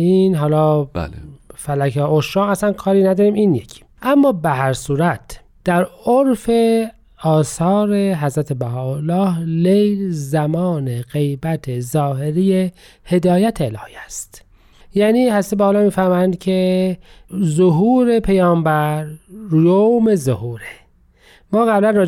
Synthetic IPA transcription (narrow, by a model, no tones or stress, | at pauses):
inɦɒːlɒːb̰fælækʰeoʃɾɑːɣæsænkʰɒːɾiːnæd̪ɒːɾiːmiːnjecʰi̥ʔæmːɒːbeɦæɾsuːɾæt̪ | d̪̥æɾoɾfe | ɒːsɒːɾeɦæzɾæt̪ʰe̞bæɦɒːolːɒːhlejlzæmɒːne̞ɣe̞jbæt̪ʰezɒːhe̞ɾije | he̞d̪ɒːjæt̪ʰeːlɒ̰ːhiæst̪ | jæːniːhæzæt̪ebæhːlɑːmiːfæɾmænd̪̚cʰe | zoɦuːɾepʰejɒːmbæɾːjomezohuːɾe | mɒːɣæblænrɒː